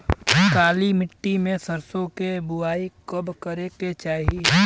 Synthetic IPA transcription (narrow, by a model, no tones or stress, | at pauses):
kaːlimɪʈːimẽsəɾsõkebʊaːikəbkəɾeket͡ʃaːɦi